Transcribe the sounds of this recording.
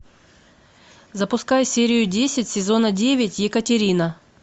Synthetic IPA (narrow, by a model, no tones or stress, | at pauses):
zəpʊskajsʲeɾʲɪjʊdʲesʲɪtʲsʲɪzo̞nədʲevʲɪtʲjɪkətʲɪɾʲinə